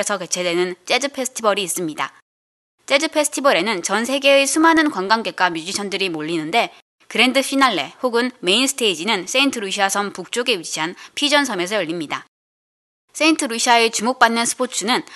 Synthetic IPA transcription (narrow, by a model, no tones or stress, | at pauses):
esʰʌke̞t͡ɕʰe̞dwe̞nɯnt͡ɕ͈e̞d͡ʑɯpʰe̞sʰɯ̥tʰibʌɾiːs͈ɯmɲida̰ | t͡ɕ͈e̞d͡ʑɯpʰe̞sʰɯ̥tʰibʌɾe̞nɯnt͡ɕʌnsʰe̞ɡe̞esʰumɦanɯnkwanɡaŋɡe̞k͈amjud͡ʑiɕʰʌndɯɾimoʎːinɯnde̞ | kɯɾe̞ndɯpʰinaɭːe̞̰hoɡɯnme̞insʰɯ̥tʰe̞id͡ʑinɯns͈eintʰɯɾuɕʰiasʰʌmpuk̚t͡ɕ͈oɡe̞ɥit͡ɕʰianpʰid͡ʑʌnsʰʌme̞s̬ʰʌjʌʎːimɲida | s͈e̞intʰɯɾuɕʰiaet͡ɕumok̚p͈anːɯnsʰɯ̥pʰot͡ɕʰunɯn